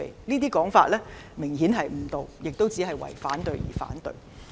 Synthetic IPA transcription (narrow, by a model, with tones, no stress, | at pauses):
ḛ˨˩jniː˥t̪̬iː˥kɔː˨˥ŋfaː˧t̚lɛː˥mɪ˨˩ŋhiː˨˥nɦɐ˨jm̩˨˧˥t̪o˨˧wjɪ˨k̚t̪o˥wt͡siː˨˥ɦɐ˨jwɐ̰˨˩jfaː˨˥nt̪ɵ˨˧ɥjḭː˨˩fa̰ː˨˥nt̪ɵ̰˨ɥ